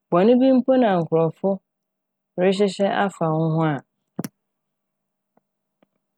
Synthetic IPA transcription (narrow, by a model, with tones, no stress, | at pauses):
bɔ˨nɪ̃˦bi˦m̩˦pʰo˦nã˨ŋ̩˨kʰʊ˨ɾɔ˨fʊ˦ | ɾɪ˦ɕ̬ɪ˦ɕɛ˦ʔa˦fa˨ŋʊ̃˦ɦʊ̃˦a˨